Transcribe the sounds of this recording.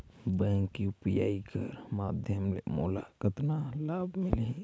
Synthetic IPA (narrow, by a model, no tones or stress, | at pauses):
bɛ̃ːŋkiʊpja̰ːikəɾmaːd̪ʱjəmlḛmo̰ːlakət̪nalaːbʱmɪli